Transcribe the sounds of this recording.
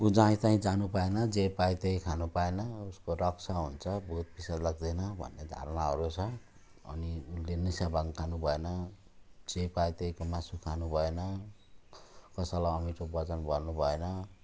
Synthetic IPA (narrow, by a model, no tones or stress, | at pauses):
ud͡zaĩt͡saĩd͡zanupaenʌd͡zepajt̪eɦĩkʰanupaenʌuskoɾʌksʰaɦunt͡sʰʌbʱut̪̚pisadlaɡ̚d̪ʌnʌbʱʌ̰nːed̪ʱa̰ɾnaɦʌ̰ɾut͡sʰʌ | ʌ̰niunlenisjabʱaŋkʰanubʱʌenʌ | d͡zepajt̪eɦĩkomasukʰanubʱʌenʌ | kʌsʌlaʌmit͡sobʌt͡sʌnbʌrnubʱʌenʌ